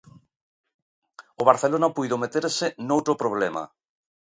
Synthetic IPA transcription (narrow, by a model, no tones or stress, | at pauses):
oβaɾθelonapujðomet̪eɾsɪnowt̪ɾopɾoβlema̰